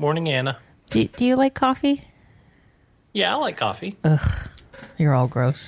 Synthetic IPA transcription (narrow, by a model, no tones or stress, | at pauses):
mɔɹnɪ̃ŋænə | d̥ɨd̥ɨjɨlaɪkʰɔfi | jæaɪlaɪkʰɔ̰fiuxjə˞ɔlˠɡɹoʊs